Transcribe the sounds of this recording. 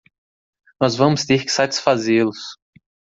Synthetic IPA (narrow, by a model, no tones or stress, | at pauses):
nɔzvɐ̃mʊst̪eɾkɪ̥sat͡ʃi̥sfazelʊs